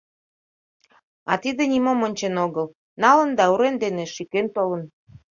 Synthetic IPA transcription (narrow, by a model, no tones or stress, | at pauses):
ɑt̪id̪ĕnʲimomonʲt͡ɕenoɣəl | nɑlə̆nd̪ɑuɾend̪enĕʃikent̪olə̆n